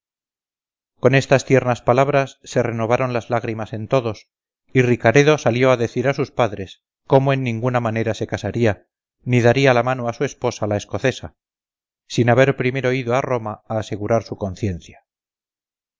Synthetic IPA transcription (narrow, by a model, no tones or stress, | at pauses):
ko̞ne̞st̪ast̪je̞ɾnaspalaβɾasːe̞re̞no̞β̞aɾo̞nlazlaɣɾimase̞nt̪o̞ðo̞s | irikaɾe̞ðo̞saljo̞aðe̞θiɾasuspaðɾe̞s | ko̞moe̞nːĩŋɡunamane̞ɾase̞kasaɾia | niðaɾialamanoasue̞spo̞salae̞sko̞θe̞sa | sinaβe̞ɾpɾime̞ɾo̞iðoaro̞maaːse̞ɣuɾaɾsuko̞nθje̞nθja